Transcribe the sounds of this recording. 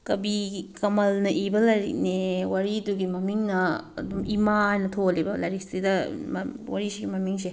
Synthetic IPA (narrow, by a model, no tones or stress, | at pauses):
kɐbikɐmɐlnɐʔibɐlɐjɾḭk̚newɐɾiduɡimɐmiŋnɐ̰ːdumimahajnɐtʰolibɐlɐjɾistidɐm̰wɐ̰ɾisiɡimɐmiŋse